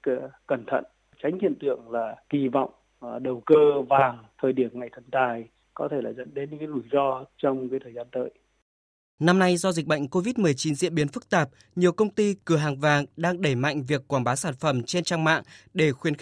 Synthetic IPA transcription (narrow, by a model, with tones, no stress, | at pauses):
kə˧˩nt̪ʰə̰˧˨n | t͡ɕa˨˦jŋ̟hḭ˧˨ənt̪ɨ̰˧˨əŋlaː˨˩ɣi˧˩vɔ̰˧˨wŋ͡m | ɗə˨˩wkəː˧vaː˨˩ŋt̪ʰəː˨˩jɗi˧˩əmŋa˨˩jt̪ʰə˧˩nt̪aː˨˩j | kɔ˨˦t̪ʰe˧˩laː˨˩zə̰˧˥˨nɗe˨˦nɲɨ˧˥kːaː˨˦lu˧˩jzɔ˧t͡ɕɔ˧wŋ͡mkaː˨˦jt̪ʰəː˨˩jzaː˧nt̪ə̰ː˧˨j | na˧mna˧jzɔ˧zi˨˩k̚ɓə̰˧˨jŋ̟ko˧vi˦˥t̚mɨ˨˩əjt͡ɕi˨˦nzḭ˧əɓi˨˦ənfɨ˦˥k̚t̪aː˨˩p̚ | ɲi˨˩əwkə˧wŋ͡mt̪i˧kɨ˨˧˩əɦaː˨˩ŋvaː˨˩ŋɗaː˧ŋɗe˧˩ma̰˧˨jŋ̟vi˨˩əkːwaː˧˩nɓaː˨˦saː˧˩nfə˧˩mt͡ɕe˧nt͡ɕaː˧ŋma̰ː˧˨ŋɗe˧˩xwi˨˦ən˦